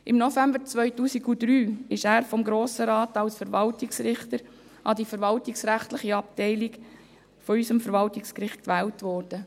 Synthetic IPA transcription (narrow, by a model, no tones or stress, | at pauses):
ʔɪmnɔfæmbəɾt͡svœʏtuːsiɡud̥̪ɾyːɪʃæːɾfɔmɡɾoːsəɾɑːtɑlsfəɾvɑltɪksɾɪχtəɾ | ʔɑdifəɾvɑltɪksɾæχtlɪχiɑp̚tɛɪlɪɡ | fɔysəmfəɾvɑltɪkskɾɪχt̚kʋɛːltvɔːɾd̥ə